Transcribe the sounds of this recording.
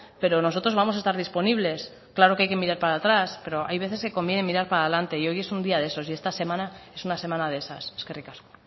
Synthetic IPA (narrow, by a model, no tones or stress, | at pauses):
pe̞ɾo̞no̞so̞t̪ɾo̞zβamos̬aest̪aɾðispo̞niβle̞s | klaɾo̞keajke̞miɾaɾpaɾat̪ɾaspe̞ɾo̞ʔa̰jβ̞e̞θe̞ske̞ko̞mbje̞ne̞miɾaɾpaɾaelant̪e̞io̞je̞sund̪iaðe̞so̞sie̞st̪ase̞mãnae̞sunase̞mãnaðe̞saseskerikasko̥